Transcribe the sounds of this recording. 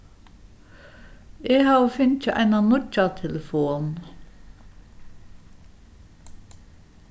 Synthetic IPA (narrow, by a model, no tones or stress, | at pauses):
eːhɑːʁfʏnc͡çəʔæ̰ɪnɑnʊcɑt̪ʰɛləfoːn